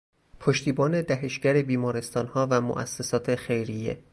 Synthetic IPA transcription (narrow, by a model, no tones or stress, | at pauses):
pʰoʃt̪iːbɒːne̞d̪æɦe̞ʃɟæɾe̞biːmɒːɾe̞st̪ɒːnhɒːvæmo̰ʔæ̰sːesɒːt̪ʰe̞xe̞jɾijḛ